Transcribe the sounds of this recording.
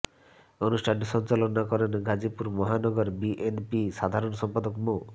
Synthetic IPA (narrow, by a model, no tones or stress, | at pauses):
onusʈʰansɔnt͡ʃalonakɔɾenɡad͡ʑipuɾmɔɦanɔɡɔɾbiʔenpiʃad̪ʱaɾonsɔmpad̪okmo